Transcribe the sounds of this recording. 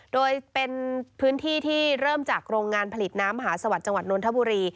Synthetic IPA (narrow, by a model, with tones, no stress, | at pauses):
doː˧jpe˧npʰɯː˦˥nt̪ʰiː˥˩t̪ʰiː˥˩ɾɤː˥˩mt͡ɕaː˨˩k̚ɾoː˧ŋŋaː˧npʰa˧li˨˩t̪̚naː˦˥mːa˧ɦaː˩˦sa˧wa˨˩t̪̚t͡ɕa˧ŋwa˨˩t̪̚noː˧nt̪ʰa˥buː˧ɾiː˧